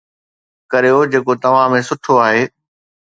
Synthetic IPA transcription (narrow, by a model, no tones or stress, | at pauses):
kɐɾijod͡ʑeːkot̪ɐʋ̤ãmẽsʊʈʰoaːɦeː